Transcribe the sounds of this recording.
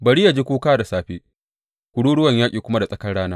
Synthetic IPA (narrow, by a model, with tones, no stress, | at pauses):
bɐ˨ɽi˦ja˨d͡ʒiː˦kʷuː˦kaː˦da˨saː˦ɸeː˦ | kʷʊ˨ɽuː˦ɽʊ˦wɐ˨ɲjaː˦kʲʼiː˨kʷʊ˦ma˦da˨sʼɐ˦kɐ˦ɽaː˦naː˦